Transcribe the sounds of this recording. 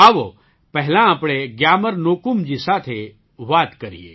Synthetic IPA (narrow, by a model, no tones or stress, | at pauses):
aːʋo | pɛɦlãapɽ̃eɡjaːməɾnoːkumd͡ʑiːsaːt̪ʰe | ʋaːt̪kəɾḭḛ